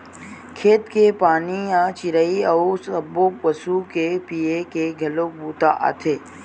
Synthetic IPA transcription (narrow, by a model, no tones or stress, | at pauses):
kʰeːt̪kepaːnijat͡ʃɪɾaiɐusɐboːkʋɐsukepiːekeɡʱɐlok̚buːt̪aʔa̰ːt̪ʰeː